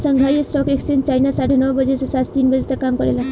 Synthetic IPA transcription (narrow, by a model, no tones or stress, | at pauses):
səŋɡʱajɔsʈɔkeksent͡ʃajnasaɽenɔwbɔd͡ʒesesat̪t̪inbɔd͡ʒet̪akːamkɔɾela